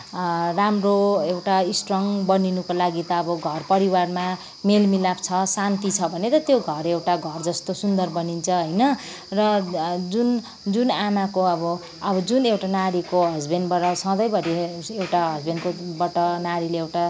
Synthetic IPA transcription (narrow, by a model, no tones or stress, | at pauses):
ramroewʈaisʈrʌŋbʌninukolaɡit̪ʌːbʌɡʱʌrpʌɾiwarma | melmilapt͡sʰʌsant̪it͡sʰʌbʱʌnet̪ʌt̪joɡʱʌrewʈaɡʱʌrd͡zʌst̪osund̪ʌrbʌnint͡sʰʌɦʌjnʌ | rʌd͡zun | d͡zunanakoʌbʌ | ʌbʌd͡zunewʈanaɾikoɦʌd͡zbenbʌʈʌsʌ̃d̪ʌjbʌɾiewʈaɦʌd͡zbenkobʌʈʌnaɾileewʈa